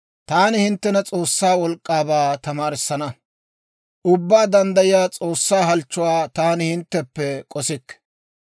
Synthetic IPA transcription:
t̪aːnɪhɪnt̪ːɛnɐt͡sʼo̞ːsːaːwɔlkʼːaːbaːt̪ɐmaːɾɪsːɐnɐ | ʔʊbːaːd̪ɐnd̪ɐjɪjaːt͡sʼoːsːaːɦɐlt͡ʃːʊwaːt̪aːnɪhɪnt̪ːɛpːɛkʼɔsɪkː

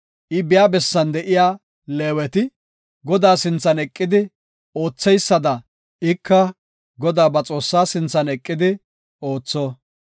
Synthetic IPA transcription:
ʔɪbɪjaːbɛsːɐnd̪ɛʔɪjaː | leːwɛt̪ɪ | ɡɔd̪aːsɪnt͡sːɐnɛkʼːɪd̪ɪ | oːt͡sːɛjsːɐd̪ɐ | ɪkʰːɐ | ɡɔd̪aːbɐt͡sʼo̞ːsːaːsɪnt͡sːɐnɛkʼːɪd̪ɪ | o̞ːt͡sːɔ

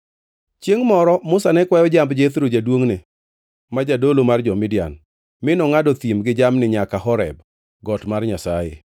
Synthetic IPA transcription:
t͡ʃjeŋmɔɾɔmʊsanɛkwajɔd͡ʒambd͡ʒet̪ɾod͡ʒadwoŋne | mad͡ʒadolomard͡ʒɔmɪdja̰n | mɪnɔŋadɔt̪imɡɪd͡ʒamnɪɲakahɔɾɛ̰b̚ | ɡɔtmarɲasajḛ

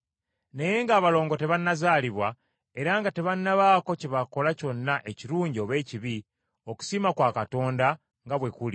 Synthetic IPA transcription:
neje̞ŋɡaːβalo̞ːŋɡo̞te̞βanːazaːliβwa | e̞ɾaŋɡate̞βanːaβaːko̞ceβako̞laco̞nːaʔe̞ciɾuːɲɟio̞βe̞ːciβi | o̞ku̥simakwaːkato̞ːnda | ŋɡaβwe̞kuli

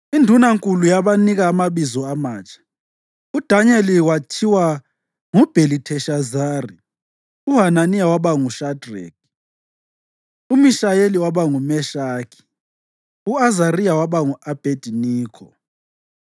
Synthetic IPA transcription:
indʱunaŋkʼulujaβaniɣaːmaβizɔamaːt͡ʃʼḁ | ud̥ʱaɲɛliwatʰiwa | ŋub̥ʱelitʰɛʃazaːri | uɦananiawaβaŋuʃadrɛ̰k | umiʃajeliwaβaŋumɛʃaːkʰi̥ | uazariawaβaŋuab̥ʱed̥ʱiniːkʰɔ̰

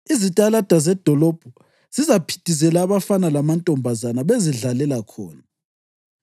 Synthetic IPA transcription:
izitʼalad̥ʱazɛd̥ʱɔlɔb̥ʱɔ | z̥izapʰi̥tʼizɛlaːβafanalamantʼɔmbʱazanaβeziɮalɛlakʰɔ̰ːna

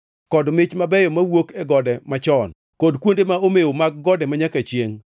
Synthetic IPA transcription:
kɔdmɪt͡ʃmabɛjɔmawokɛɡɔdɛmat͡ʃɔn | kodkwondemaomeomaɡɡɔdɛmaɲakat͡ʃjeŋ

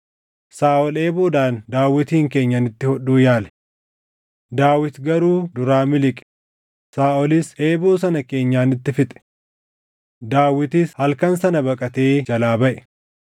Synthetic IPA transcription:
saːʔɔleːboːd̪aːnd̪aːwːɪt̪iːŋke̞ːɲːɐnɪt̪ːɪhɔɗuːjaːlɛ̥ | d̪aːwɪt̪ɡɐɾuːd̪ʊɾaːmɪlɪkʼɛ̥ | saːʔɔlɪse̞ːbo̞ːs̬ɐnɐke̞ːɲːaːnɪt̪ːɪfɪt̪ʼɛ̥ | d̪aːwɪt̪ishɐlkɐnsɐnɐbɐkʼɐt̪e̞ːd͡ʒɐlaːbɐʔɛ̥

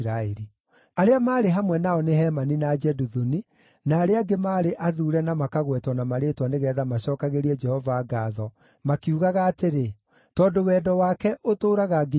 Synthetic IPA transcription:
ɾaeɾi | aɾeamaːɾeɦamwɛnaɔneɦɛmaninad͡ʒɛduðuni | naːɾeaɡemaːɾeʔaðuːɾɛnamakaɣwɛtwanamaɾeːtwaneɣɛːðamaɕɔːkaɣeɾiɛd͡ʒɛhɔvaːɡaðɔ | makiuɣaɣaːteɾe | tɔdowɛːdɔwakɛʔotoːɾaɣaɡe

